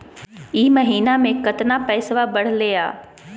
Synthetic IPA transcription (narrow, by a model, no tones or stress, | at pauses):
iːmɐɦiːnamẽkɐt̪napɛːsʋabɐɽ̤lea̰ː